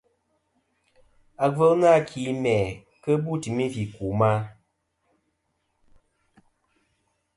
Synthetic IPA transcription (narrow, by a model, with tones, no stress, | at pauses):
a˨və˦lna˦˨kʰi˨˦mɛ˨ | kə˦bu˦˨ti˨mi˦vi˨ku˨ma˦